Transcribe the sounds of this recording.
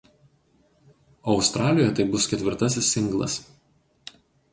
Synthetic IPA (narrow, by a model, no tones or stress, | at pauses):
ɒʊst̪ɾɑːlʲɪjojɛt̪ɐɪbʊskʲɛt̪ʲʋʲɪɾt̪ɐsʲɪsːʲɪŋɡlˠɐ̰s